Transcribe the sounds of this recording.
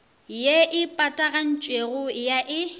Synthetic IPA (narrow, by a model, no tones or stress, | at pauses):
jeʔɪpʼatʼaɣan̩t͡ʃʼweɣʊɪjaʔɪ